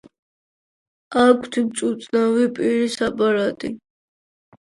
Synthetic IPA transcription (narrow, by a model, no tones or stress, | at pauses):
akʰt̪ʰbt͡ʃ̪ʼut̪sʼnavipʼiɾisapʼaɾat̪ʼi